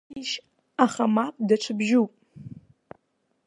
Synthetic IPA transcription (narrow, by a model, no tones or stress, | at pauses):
iʃ | aχamapʼdat͡ʃʷʰɨbʒupʼ